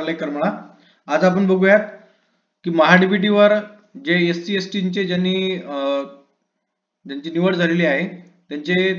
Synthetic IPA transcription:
ɾlaekəɾməɭa | ad͡zap̬əɳbəɡujat̪ | kiːməɦaɖibiʈ̬iʋəɾ | d͡ʑeesʈiesʈiɲt͡ɕed͡ʑjanːiː | d͡ʑjaɲt͡ɕiːniʋəɽd͡zʱaleliːaɦe | t̪jaɲt͡ɕe

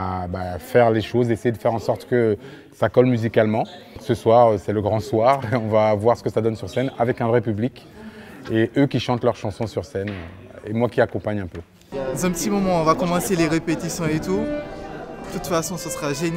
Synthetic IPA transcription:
abafɛʁleʃozesejed̪əfɛʁɑ̃sɔʁt̪kə | sakɔlmyzikalmɑ̃ | ksəswaʁøsɛləɡʁɑ̃swaʁeɔ̃vavwaʁsə̥kəsad̪ɔnsyʁsɛnavɛkɛ̃vʁɛpyblik | eʔøkʲiʃɑ̃t̪lœʁʃɑ̃sɔ̃syʁsɛnø | emwakʲiakɔ̃paɲɛ̃pø | ɑ̃zɛ̃pət̪imɔmɑ̃ɔ̃vakɔmɑ̃seleʁepet̪isjɔ̃et̪u | d̪̥ət̪ut̪fasɔ̃səsʁaʒen

